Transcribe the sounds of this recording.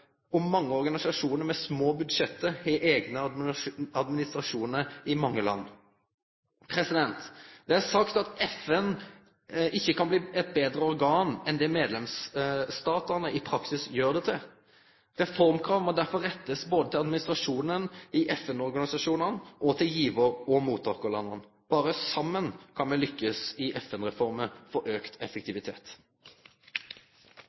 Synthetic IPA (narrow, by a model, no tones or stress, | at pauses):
ʊmːɑŋːəɔɾɡɑnɪsɑʂuːnəɾmɛsmoːbʉd̪ʂɛt̪ːəɛʔeːɡnə | ɑd̪mɪnɪst̪ʁɑʂuːnəɾɪmɑŋːəlɑ̰nː | pʰɾɛsɪd̪ɛnt̪d̪̥ɛæʁsɑkt̪ɑt̪ɛfɛn | ʔɪçːəkɑnbliːɛt̪̚beːd̪ɾəɔɾɡɑːnɛnd̪ɛmeːd̪lɛmsst̪ɑːt̪əʁnəɪpʰɾɑksɪsjøːʁd̪ɛt̪ʰɪ | ʁɛfɔʁmkʰɾɑːʋmɔd̪æɾfɔʁɛt̪ːəsboːd̪ət̪ʰɪlɑd̪mɪnɪst̪ʁɑʂuːnənɪʔɛfɛnɔɾɡɑnɪsɑʂuːnənʔɔt̪ʰɪljiːʋəɾɔmuːt̪ʰːɑʁkəlɑnːən | b̥ɑːɾəsɑmːənkʰɑnmɛlʏkːəsɪʔɛfɛnʁɛfɔɾməfɔʔøːkt̪ʰɛfɛkt̪ɪʋɪt̪ʰḛːt̪